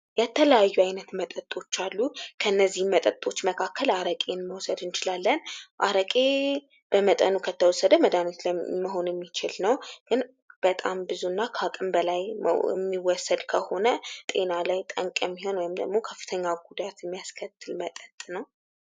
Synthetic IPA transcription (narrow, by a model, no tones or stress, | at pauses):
jɛt̪ʰələjajːuajnət̪mət̪ʼət̪ʼːo̞t͡ʃːalːukʰəɨnːəzːihmət̪ʼət̪ʼo̞t͡ʃːməkʰakːəlaɾəkʼenməwsəd̪ɨnt͡ʃɪlalːənʔa̰ɾəkʼe̞ | b̥əmət̪ʼə̰nukʰət̪ʰːəwɔsːəd̪əməd̪anit̪lməɦo̞njɛmːit͡ʃɪlnəwɡ̥ɨn | b̥ət̪ʼambɨzuɨnːakʰakʼɨmbəlaj̰ɛmːiwɔsːəd̪kʰəho̞nət̪ʼe̞nalajt̪ʼə̰ŋkʼjɛmːiho̞nwɔjɪmd̪ə̰ɡmo̞kʰəfːɨ̥t̪ʰəɲːaɡud̪at̪jɛmːijaskʰət̪ʰːɨlmət̪ʼət̪ʼnəw